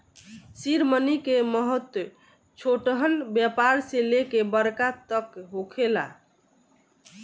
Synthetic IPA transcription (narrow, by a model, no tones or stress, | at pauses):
siɾmənikeməɦət̪w | t͡ʃʰoʈɦəlbjapaɾselekebəɾkat̪əkɦokʰela̰